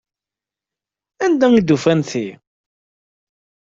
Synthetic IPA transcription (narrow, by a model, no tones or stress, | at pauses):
ænd̪æŋid̪ufænθi